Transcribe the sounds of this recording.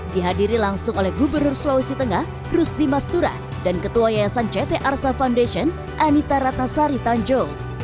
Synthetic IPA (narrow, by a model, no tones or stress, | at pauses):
diɦadiɾilaŋsʊŋolɛhɡubərnʊrslawisit̪əŋah | rʊsdimast̪uɾa̰ | dankət̪uajajasant͡ʃɛt̪eʔarsafaundaʃiɔn | ʔanit̪aɾat̪̚nasaɾit̪aɲd͡ʒo